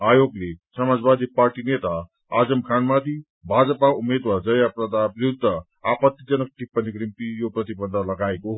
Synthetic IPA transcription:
ajoɡlesʌmad͡zbad̪ʱiparʈinet̪a | ad͡zʌmkʰanmad̪i | bʱad͡zʌpaumed̪wad͡zʌjaprʌd̪ʱabiɾud̪ʱːʌ | apʌt̪jid͡zʌnʌk̚t̪ipʌnikɾimpijoprʌt̪ibʌnʱːalʌɡaekoɦ

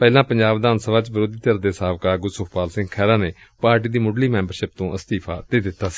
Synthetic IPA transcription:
pɛːlãːpəɲd͡ʒaːbd̪aːnsəbaːt͡ʃbɪɾoːd̪iːt̪əɾd̪eːsaːʋkaːɡʊsʊkʰpaːlsɪ̃ŋɡkʰɛːɾaːneː | paːɾʈiːd̪iːmʊɖliːmɛ̃ːmbəɾʃɪp̚t̪õːʔəst̪iːpʰaːd̪eːd̪ɪt̪ːaːsi̥ː

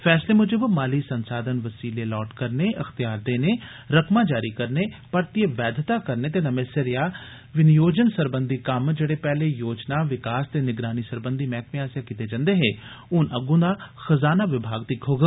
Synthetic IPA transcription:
fʰɛːsleːmʊd͡ʒəbmaːliːsənsaːd̪ənʋəsiːleːlɔːʈkəɾneːʔəxt̪ijaːɾd̪eːneː | ɾəkʰmãːd͡ʒaːɾiːkəɾneːpəɾt̪eʋɛːd̪ʱt̪aːkəɾneːt̪eːnəmeːsəɾjaː | ʋɪnjoːd͡ʒənsəɾbənd̪ʱiːkəmd͡ʒeːɽeːpɛːleːjoːd͡ʒnaːʋɪkaːst̪eːnɪɡɾaːniːsəɾbənd̪ʱiːmɛ̃ːkmɪaːsjakiːt̪eːd͡ʒãnd̪eːɦeː | ʊnəɡũːd̪aːxəzaːnaːʋɪbʱaːɡ̚t̪iːkʰoːɡə

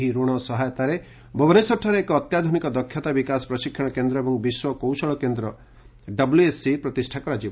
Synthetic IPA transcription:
ɦiɾuɽ̃ɔsɔɦajɔt̪aɾe | bʱɔbɔnesɔʈʰːɔɾeːkɔːt̪jad̪ʱunikɔd̪ɔkʰːjɔt̪abikasɔ̥pɾɔʃikʰjɔɽ̃ɔkend̪ɾɔebɔŋbiswɔkowsɔɭɔkend̪ɾɔ | ɖʌbljuesːipɾɔt̪isʈʰakɔɾad͡ʒib

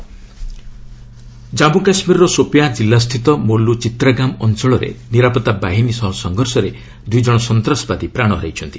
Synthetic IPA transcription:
d͡ʒabukasmiɾɔɾɔsopjad͡ʒilːast̪ʰit̪ɔmolːut͡ʃit̪ɾaɡamɔnt͡ʃɔɭɔɾḛniɾapɔt̪abaɦinisɔɦɔsɔŋɡʱɔɾsɔɾe | d̪ujd͡ʒɔɽ̃ɔsɔnt̪ɾɔsbad̪ipɾaɽ̃ɔɾɔɦjt͡ʃʰɔnt̪i̥

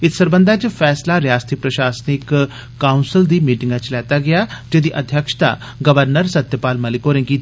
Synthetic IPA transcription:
ɪt̪səɾbə̃nd̪aːt͡ʃfʰɛːslaːɾɪjaːst̪iːpɾəʃaːsnɪkː | aːʊnsɪld̪iːmiːʈɪ̃ŋɡãt͡ʃlɛːt̪aːɡɪjaːd͡ʒed̪iːʔəd̪ʱjəkʃt̪a̰ː | ɡəʋəɾnəɾsət̪jəpaːlməlɪkoːɾẽːkiː

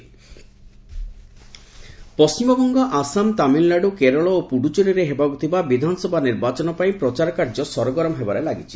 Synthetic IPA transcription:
pɔst͡ʃimɔbɔŋɡɔʔasamt̪amillaɖukeɾɔɭɔopuɽut͡ʃoniɾeɦebaɡut̪ʰibabid̪ʱansɔbʱaniɾbat͡ʃɔnɔpaĩpɾɔt͡ʃaɾɔkaɾd͡ʒɔsɔɾɔɡɔɾɔmɔɦebaɾelaɡit͡ʃʰi̥

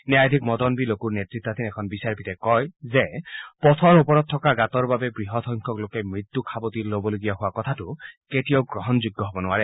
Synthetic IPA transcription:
njajd̪ʱikmɔd̪ɔnbilokuɹnetɹit̪ːat̪ʰinɛkʰɔnbisaɹpit̪ekɔjzepɔt̪ʰɔɹupɔɹɔt̪̚tʰːɔkaɡat̪ɔɹbabebɹiɦɔt̪ʰɔŋkʰɔklokemɹit̪ːukʰabɔt̪iɾlobɔloɡijaɦʊakɔt̪ʰatuketioɡɹɔɦɔnd͡ʒuɡːɔɦɔbɔnʊaɹɛ

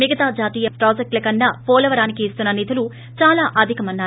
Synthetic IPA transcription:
miɡɐt̪aːd͡ʒaːt̪iːjɐpɾaːd͡ʒek̚ʈlɐkɐnːaːpɔːlɐʋɐɾaːnikiːst̪unːɐnit̪ulu | t͡ʃaːlaːʔɐd̪ʱikɐmɐnːaː

